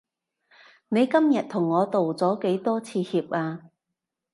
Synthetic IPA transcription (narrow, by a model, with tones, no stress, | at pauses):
ne˨˧jkɐ˥mjɐ˨t̚t̪ʰʊ˨˩ŋːɔː˨˧t̪o˨wt͡sɔː˨˥ke˨˥jt̪ɔː˥t͡sʰiː˧hiː˧p̚aː˧